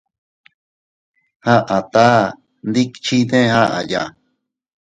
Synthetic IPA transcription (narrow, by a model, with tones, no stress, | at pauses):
hã˦ʔa˨t̪a˦ | nd̪i˦kt͡ʃi˦t̪ẽ˦˧hã˦ʔa̰˨ja̰˨